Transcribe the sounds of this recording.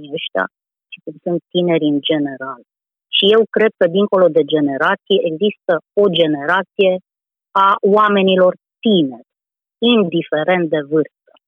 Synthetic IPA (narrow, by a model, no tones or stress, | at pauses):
əʃt̪a̰ | ʃi̥kumsunt̪ːine̞ɾʲɨnd͡ʒe̞ne̞ɾal | ʃije̞wkɾe̞d̪̚kəd̪iŋko̞lo̞d̪e̞d͡ʒe̞ne̞ɾat̪sijeʔeɡzist̪əo̞d͡ʒe̞ne̞ɾat̪sije̞ | awame̞nilo̞rt̪ine̞rʲ | ind̪ife̞ɾe̞nt̪̚d̪e̞vɨrst̪ə̥